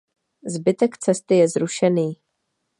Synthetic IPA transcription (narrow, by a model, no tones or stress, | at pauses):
zbɪt̪ɛkt͡sɛst̪ɪjɛzɾuʃɛniː